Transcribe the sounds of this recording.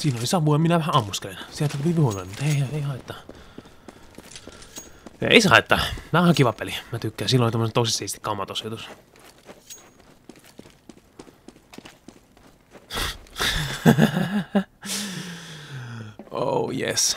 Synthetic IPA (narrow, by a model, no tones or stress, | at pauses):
siːnolisɑʋujɑminæʋæhæɑmːustkelensielt̪æt̪pipihuonolmut̪heiɑeihɑit̪ːɑ | ḛˑisɑ̰ˑet̪ːɑmæːhɑkiʋɑpːelimæt̪ykːæːnsiːlːolit̪omːosent̪oˑisesist̪ikɑmːɑt̪osjot̪us | ʔo̰ujḛs